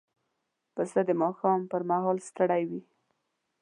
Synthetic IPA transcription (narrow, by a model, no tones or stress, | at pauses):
pəsəd̪əmɑxɑmpəɾmaɦɑlst̪əɽajwi